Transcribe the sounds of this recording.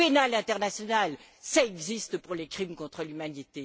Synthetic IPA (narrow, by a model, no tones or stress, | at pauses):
enalɛ̃t̪ɛʁnasjɔnalsaɛɡzist̪əpuʁlekχimkɔ̃t̪χəlymanit̪e